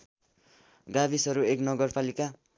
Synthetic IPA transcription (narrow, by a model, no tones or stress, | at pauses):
ɡabisʌɾueknʌɡʌrpalika